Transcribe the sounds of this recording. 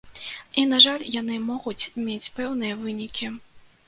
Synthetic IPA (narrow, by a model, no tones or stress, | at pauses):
inaʐalʲjanɨmɔɣut͡sʲmʲet͡sʲpɛwn̪ɨjɐvɨnʲikʲi